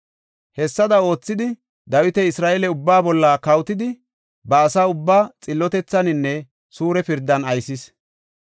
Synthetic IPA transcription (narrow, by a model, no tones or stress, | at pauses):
hɛsːɐd̪ɐo̞ːt͡sːɪd̪ɪ | d̪ɐwɪt̪ɛɪsɾaːʔɛlɛʊbːaːbɔlːɐkɐwt̪ɪd̪ɪ | bɐːsaːʊbːaːt͡sʼɪlːɔt̪ɛt͡sːɐnɪnːɛ | suːɾɛpɪɾd̪ːɐnɐjsɪs